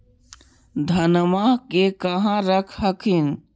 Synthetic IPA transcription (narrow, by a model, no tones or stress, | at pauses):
d̪ʱənmakekəɦãɾəkʰəkʰin